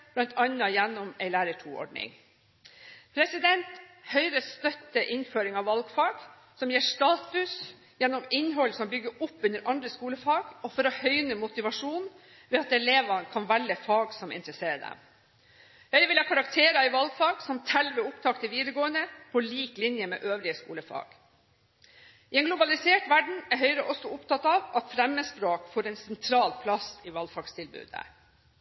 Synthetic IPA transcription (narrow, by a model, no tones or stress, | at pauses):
b̥lɑnt̪ʰɑnːɑjænːɔmɛɪlæːɾəʈʰuːɔ̰ɖɳɪ̰ŋ | pʰɾɛsɪd̪ɛnt̪hœʏɾəst̪œt̪ːəʔɪnføːɾɪŋɑʋɑlɡfɑːɡ̥ | sɔmjiːʂt̪ɑːt̪ʉs | jɛnːɔmɪnɦɔlsɔmbʏɡːəɾʊpːʉnd̪əɾʔɑnd̪ɾəskuːləfɑːɡ̥ɔfɔɾɔhœʏnəmʊt̪ɪʋɑʂuːn | ʋɛɑt̪ɛleːʋɑnkʰɑnʋælːəfɑːɡsɔmɪ̰nt̪ɾəseːd̪ɛ̰m | hœʏʋɪljɑkʰɑɾɑk̚t̪ʰeːɾɑɪʋɑlfɑːɡsɔmt̪ʰɛlʋəʊpt̪ʰɑkt̪əʋiːd̪ɾəɡoːənd̪əpʰɔliːklɪnjəmɛ̰ːʔøːʋlɪəskṵːləfɑ̰ːɡ̥ | ɪɛnɡlʊbɑlɪseːʈʋæɖɳ̩ɛɾɦœʏɾəʔɔsːɔʊpt̪ʰɑt̪ɑʋɑt̪fɾɛmːəspɾoːkfoːɾɛnsɛnt̪ʰɾɑːlpʰlɑsɪʋɑlfɑːɡst̪ʰɪlbʉ̰ːd̪ə̰